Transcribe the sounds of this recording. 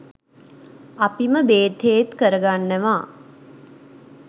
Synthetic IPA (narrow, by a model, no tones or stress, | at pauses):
apiməbeːt̪ʰejet̪kəɾəɡanːəʋaː